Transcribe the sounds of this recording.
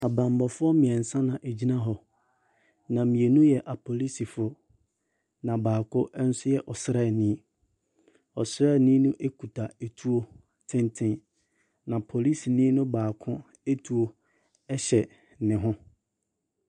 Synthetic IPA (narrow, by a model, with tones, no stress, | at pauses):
a˨bã˨mbɔ˨fʊ˦ɔ˦mĩ˨ɛ˨n̩˨sã˦nã˨ʔe˨d͡ʑi˦nã˦ɦɔ˨ | nã˨mĩ˨e˨nũ˦jɛ˨ʔa˨pʰo˨li˦si˨fʊ˦ | nã˨baː˨kʰʊ˦ʔn̩˦sʊ˦jɛ˨ʔɔ˨sɾɛ˦˨nĩ˦ | ɔ˨sɾɛ˦˨nĩ˦nʊ̃˦ʔe˦kʰu˨tʰa˨e˨tʰu˦o˦ | tʰɪ̃˦ntʰɪ̃˦n | nã˨pʰo˨li˦si˨nĩ˦nʊ̃˦baː˨kʰʊ̃˦ | e˦tʰu˨o˦ | ɛ˦ɕɛ˨ | nɪ̃˨ɦʊ̃˦